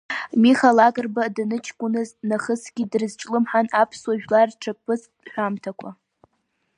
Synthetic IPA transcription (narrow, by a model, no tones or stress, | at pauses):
miχalakʼɨrbadnɨt͡ʃʰkʷʼʊnɨznaχəsɡ̥ʲidrɨzt͡ʃʼlɨmħanapʰswaʒᶣlarʈ͡ʂʰak̚ʼpʰɨs | ħʷamtʰakʷʰa